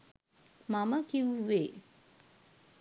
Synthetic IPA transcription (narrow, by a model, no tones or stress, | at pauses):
mamɐkiuwe